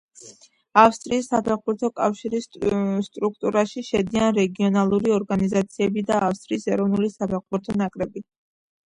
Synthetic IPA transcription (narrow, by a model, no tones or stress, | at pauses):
afst̪ʼɾiːsːapʰɛʁbuɾt̪ʰɔkʼafʃiɾisst̪ʼɾuk̚ʰt̪ʼuɾaʃiʃɛd̪ianɾɛɡiɔnalˠuɾiɔɾɡanizat̪sʰiɛbid̪aːfst̪ʼɾiːsɛɾɔvnulisapʰɛʁbuɾt̪ʰɔnakʼɾɛbi